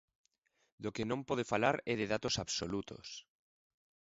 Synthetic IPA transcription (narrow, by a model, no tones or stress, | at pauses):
d̪okenõmpoð̞efalaɾɛðeðat̪osaβsolut̪o̰s